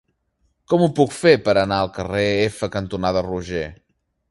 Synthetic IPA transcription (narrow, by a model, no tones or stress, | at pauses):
kɔmupukfepəɾənaəlˠkəreefəkənt̪unaðəruʒe